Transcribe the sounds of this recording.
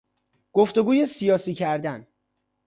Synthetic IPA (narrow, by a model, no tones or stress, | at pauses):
ɡ̥oft̪o̞ɡuːje̞sijɒːsiːcʰæɾd̪æn